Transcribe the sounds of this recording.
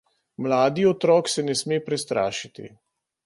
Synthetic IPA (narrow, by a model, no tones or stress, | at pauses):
mlaːd̪iɔt̪ɾɔːksɛnɛsmeːpɾɛst̪ɾa̰ːʃit̪ḭ